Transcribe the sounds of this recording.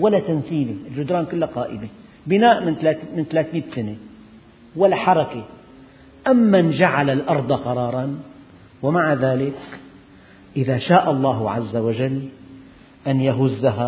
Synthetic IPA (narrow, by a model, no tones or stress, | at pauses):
walːat̪ansiːliɪld͡ʒʊd̪ɾɑːnkʊlːaqɑːʔɪme | bɪnaːʔmɪnt̪lat̪mɪnt̪alaːt̪miːt̪sane | walːaħɑɾˤɑke | ʔamːand͡ʒaʕalalʔɑɾˤd̪ˤɑqɑɾˤɑːɾˤɑn | wamaʕaðaːlɪk | ʔɪðaʃaːʔɑlˤːɑːɦʕa̰zːawad͡ʒalː | ʔanjaɦʊzːaɦa